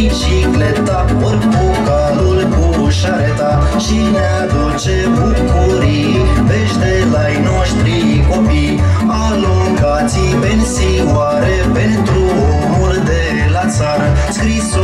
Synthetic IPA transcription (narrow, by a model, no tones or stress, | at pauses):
t͡ʃiklet̪apəɾkuka | lulku | ʃaɾet̪aʃinead̪ut͡ʃebukuɾi | peʃt̪elajnoʃt̪ɾikopi | a | luŋɡasipensi | waɾepent̪ɾu | omuld̪e | lasaɾskɾis